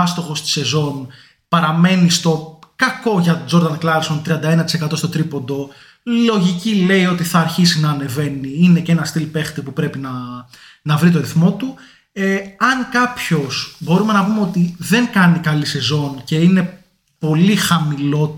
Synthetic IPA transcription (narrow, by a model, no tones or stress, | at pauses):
ɐst̪o̞xo̞st̪i̥se̞zo̞n | pɐɾɐme̞nist̪o̞kɐko̞ʝɐt̪od͡ʒo̞ɾðɐnklɐlsont̪ɾiɐnd̪ɐenɐt̪i̥se̞kɐt̪o̞st̪o̞t̪ɾipo̞nd̪o̞ | lo̞ʝicile̞io̞t̪iθɐːɾçisinɐːne̞ve̞niinece̞nɐst̪ilpe̞xt̪ipupɾe̞pinɐ | nɐvɾit̪o̞ɾiθmo̞t̪u | eɐŋkɐpço̞sbo̞ɾume̞nɐpumeo̞t̪iðe̞ŋkɐnikɐlise̞zo̞nce̞ine̞ | po̞lixɐmilo̞